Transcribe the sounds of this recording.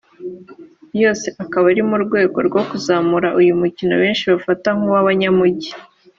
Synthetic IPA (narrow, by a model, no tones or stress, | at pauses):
jo̞ːse̞ʔakaβaɾimuɾɡwe̞ːɡo̞̰ɾɡo̞kuzaːmuɾaʔujumucino̞̰βe̞ːnʃiβafataŋuwaβaɲamuɟi